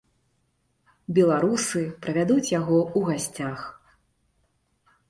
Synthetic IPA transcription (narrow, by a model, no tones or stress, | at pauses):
bʲɛlˠaɾusɨpɾɐvʲad̪ut͡sʲjaɣɔuɣasʲt͡sʲax